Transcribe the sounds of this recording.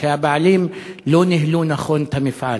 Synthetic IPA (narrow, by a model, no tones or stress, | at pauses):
eabaʕlimlonɪhlunaχont̪amɪfʕa